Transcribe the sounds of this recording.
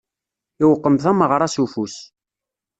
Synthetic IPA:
iwəqːəmθæməʁɾˤɑsufus

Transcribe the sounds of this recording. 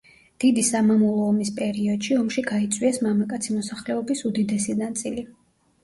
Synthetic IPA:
d̪̥id̪isamamulˠɔːmispʼɛɾiɔd̪̥ʃiɔmʃiɡait̪sʼwiɛsmamakʼat̪sʰimɔsaχlɛɔbisud̪id̪ɛsinat̪sʼili

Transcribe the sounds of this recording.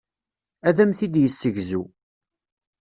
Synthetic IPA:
æðæmθid̪jəsːəʝzu

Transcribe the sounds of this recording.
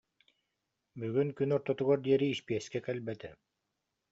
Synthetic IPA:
byɡyŋkynɔɾt̪ɔt̪uɣɔɾd̪iɛɾiːʃpiɛskɛkɛlʲbɛt̪ɛ

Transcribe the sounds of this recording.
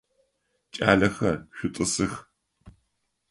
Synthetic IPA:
t͡ʃʼaːɮɐxɐrɕᶣʷʊtʼɨsɨx

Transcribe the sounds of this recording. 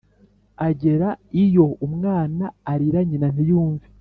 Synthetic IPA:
aɟe̞ɾaijo̞umŋaːnaːɾiɾaɲinan̥ijuːɱvi

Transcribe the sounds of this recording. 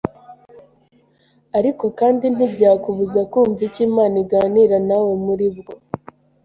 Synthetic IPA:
aɾiko̞kaːndin̥ibɟaːkuβuzakuːɱviciːmaːniɡaːniɾanawe̞muɾibɡo̞

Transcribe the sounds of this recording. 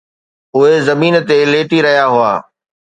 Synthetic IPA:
ʊɦezɐmiːnt̪eleːʈiɾɐɦijaɦʊa̰ː

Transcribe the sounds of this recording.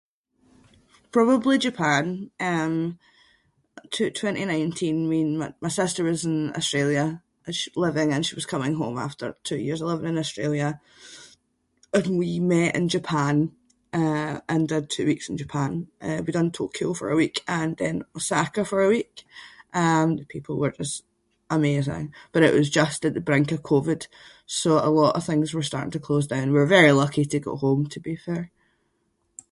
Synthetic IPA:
pʰɹ̥ɔbəblˠid͡ʒəpʰãnʌ̃m | tʰʉtʰw̥ɛ̃nʔinãɪ̃ntʰĩnwĩnmamaɪsɪstə˞wɒzɪ̃nɔ̰stɹ̥elˠjə | əʃi̥lˠɪvɪ̃ŋə̃nʃiwʌz̥kʰʌmɪ̃ŋɦõ̰ma̰ftə̰˞tʰʉ̰jḭɹzɪlˠɛvə̃nɪ̃nɔstɹ̥elˠjə | ə̃nwimɛʔɪ̰̃nd͡ʒəpʰãn | ʌʔə̃ndəd̚tʰʉ̰ːwiksɪ̃n̩d͡ʒəpʰãnʔəwidʌ̃ntʰo̰kʰiofə̰˞əwikə̃nðə̃nəsakəfə˞əwikʔʌ̃mðəpʰipʰl̩ˠwə˞d͡ʒʌst | ʔəmezɪ̰̃ŋb̥ʌɾɪ̰ʔwʌzd͡ʒʌstəʔðəbɹɪ̃ŋkəv̥kʰovɪd̥ | soə̰lˠɔʔə̰v̥θɪ̃ŋzwə˞s̬taɹʔɪ̃ŋtʰəkʰl̥ozdãʊ̃nwiɹvɛɹilˠʌkʰitʰəɡɔ̰ʔhõmtʰəbifɛɹ

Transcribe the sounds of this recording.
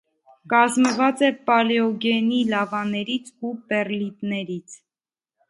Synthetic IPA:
kɑzməvɑt͡sɛpɑlɛɔɡɛnilɑvɑnɛɾit͡sʰupɛrlit̪nɛɾit͡sʰ

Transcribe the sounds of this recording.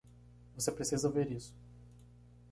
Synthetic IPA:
vosepɾesizɐveɾisʊ̥

